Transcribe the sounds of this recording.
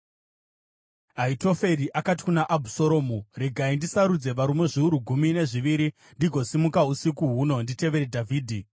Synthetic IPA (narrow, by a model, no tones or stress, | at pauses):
aito̞fe̞ɾiʔakati̥kunaʔabʱuso̞ɾo̞ːmure̞ɡʱaindisaɾud͡ze̞ʋaɾume̞ʐiuɾuɡʱumine̞ʐiʋiɾi | ndiɡʱo̞simukausikuɦuno̞ndite̞ʋe̞ɾedʱavʱiːdʱi